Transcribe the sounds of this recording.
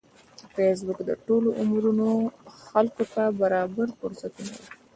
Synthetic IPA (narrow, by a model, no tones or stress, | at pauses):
fes̬bʊkd̪əʈoloʔʊmɾunoxalkot̪abaɾɑbaɾfʊɾsat̪una̰wi